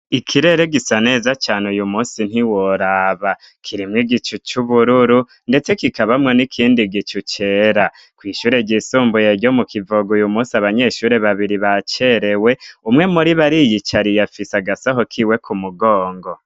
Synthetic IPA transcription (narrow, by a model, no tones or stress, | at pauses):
ikʰiɾe̞ɾeɡisane̞ːzat͡ʃaːneujumuːnsin̥hiwoɾaβa | kʰiɾimŋiɡit͡ʃut͡ʃuβuɾuɾu | nde̞t͡se̞kikaβamŋe̞nikʰiːndiɡit͡ʃut͡ʃe̞ɾa | kwiːʃuːɾe̞ɟisuːmbujeɟo̞mukivoɡujumuːsiaβaɲe̞ʃuːɾe̞βaβiɾiβat͡ʃeɾe̞we̞umŋe̞muɾiβaɾijit͡ʃaɾijafisaɡasaɦokʰiwe̞kʰumuɡoːŋɡo